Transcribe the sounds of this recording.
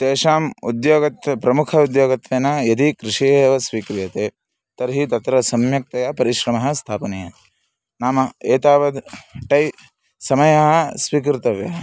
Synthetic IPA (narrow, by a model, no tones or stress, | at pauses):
t̪eːʃaːmud̪joːɡɐt̪pɾɐmukʰɐud̪joːɡɐt̪ʋeːnaːjɐd̪ikɾɪʃiːeʋɐsʋiːkɾijɐt̪eː | t̪ɐɾɦit̪ɐt̪ɾɐsɐmjɐk̚t̪ɐjɐpɐɾiʃɾɐmɐɦɐ̆st̪ʰaːpɐnɐjɐ | naːmɐeːt̪aːʋɐd̪ʈɐj | sɐmɐjɐɦɐ̆sʋiːk̬ɾt̪ɐʋjɐ̰ɦɐ